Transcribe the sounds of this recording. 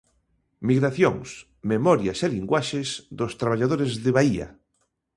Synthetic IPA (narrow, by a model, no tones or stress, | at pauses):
miɣɾaθjoŋs | memɔɾjaseliŋɡwaʃesðost̪ɾaβ̞aʎað̞oɾezðeβaia̰